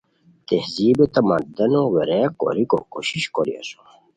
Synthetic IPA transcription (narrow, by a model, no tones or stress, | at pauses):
t̪ehziːbet̪ɐmɐd̪ɐnoweɾeko̰ɾiko̰koɕiɕkoɾḭa̰so̥